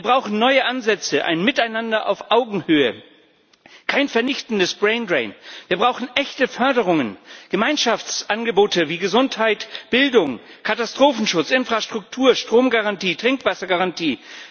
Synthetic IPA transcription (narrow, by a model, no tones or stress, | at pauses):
viːɐbʁaʊxn̩nɔʏəʔanzɛt͡səʔa̰ɪnmɪtaɪnandɐʔa̰ʊfʔaʊɡŋ̩høːə̰ | kʰaɪnfɛɐnɪçtn̩dəsb̥ʁɛɪndʁɛɪnviːɐbʁaʊxn̩ʔɛçtəfœɐdəʁ̞ʊŋənɡ̥əmaɪnʃaft͡sʔanɡəboːtəviːɡəzʊnthaɪtb̥ɪldʊŋkʰatastʁ̥oːfn̩ʃʊt͡sʔɪnfʁ̥aʃtʁ̥ʊk̚tʰuːɐʃtʁ̥oːmɡaʁantiːtʁ̥ɪŋkv̥asɐɡaʁantʰiː